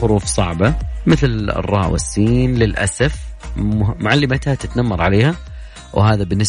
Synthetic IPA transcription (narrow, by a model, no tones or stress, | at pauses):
ʊɾuːfsˤɑ̰ʕbamɪθl̰rˤːɑ̰ːwɪ̰sːiːnlɪlʔa̰safmʊmʊʕalːɪmat̪hat̪ɪt̪namːɑɾˤʕaleːha | whaːðabɪnːɪs